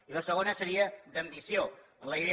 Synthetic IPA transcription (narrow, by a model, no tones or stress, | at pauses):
iləsəɣonəsəɾiəd̪əmbisioənləjðe